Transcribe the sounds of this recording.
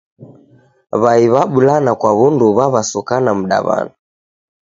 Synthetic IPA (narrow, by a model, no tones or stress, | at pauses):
βaiβaɓulanakwaβunduβaβasukanam̩ɗa̰βa̰na